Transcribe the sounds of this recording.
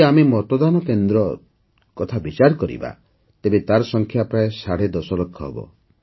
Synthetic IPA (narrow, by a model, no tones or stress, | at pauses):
amemɔt̪ɔd̪anɔkend̪ɾɔ | kɔt̪ʰabit͡ʃaɾɔkɔɾḭba̰ | t̪ebet̪aɾɔsɔŋkʰjapɾaesaɽed̪ɔsɔlɔkʰːɔɦḛbɔ̰